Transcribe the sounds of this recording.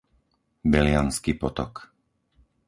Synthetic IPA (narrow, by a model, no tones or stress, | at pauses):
bɛlɪanskiːpɔt̪ɔ̰k